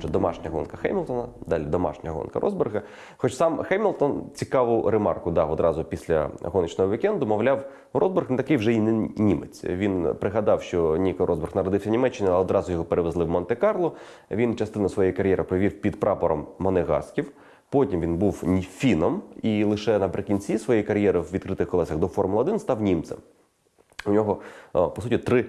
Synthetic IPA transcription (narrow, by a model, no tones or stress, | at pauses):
ɛd̪ɔmɑ̰ʃnʲɐɦɔ̰nkɐxɛ̰jmʲilˠt̪ɔnɐd̪ɑlʲid̪ɔmɑ̰ʃnʲɐɦɔ̰nkɐ̰ɾʔɔ̰zbɪrɣɐ | xɔt͡ʃsɑmxɛjmʲilˠt̪ɔnt͡sʲikɑʋʊɾemɑ̰rkʊd̪ɑɔd̪ɾɑzʊpʲisʲlʲɐ̰ɦɔnɪt͡ʃnɔɦɔʋʲikɛnd̪ʊmɔʋlʲɑw | ɾɔzbɪrɣnt̪ɐkɪjwʒɛinnʲimḛt͡sʲʋʲinpɾɪɦɐd̪ɑwʃt͡ʃɔnʲikɐɾɔzbɪrxnɐɾɔd̪ɪwsʲɐnʲimɛt͡ʃːɪnɪɔd̪ɾɑzʊjɔɦɔpeɾeʋezlˠɪwmɔnt̪ekɑrlˠɔ | ʋʲint͡ʃɐst̪ɪnɐsʋɔjejikɐɾʲjɛɾʔɪpɾɔʋʲiwpʲid̪pɾʔɑpɔɾɔmːɔneɣɑ̰skʲiw | pɔtʲimʋʲinbuwfʲinɔmilˠɪʃɛnɐpɾɪkʲinʲt͡sʲisʋɔjejkɐɾʲjɛɾɪwʋʲid̪̚kɾɪt̪ɪxkɔlˠɛsɐɣd̪ɔfɔrmʊlˠɐɔd̪ɪnst̪ɑwnʲimt̪sɛ̰m | unʲɔɦɔpɔsutʲit̪ɾɪ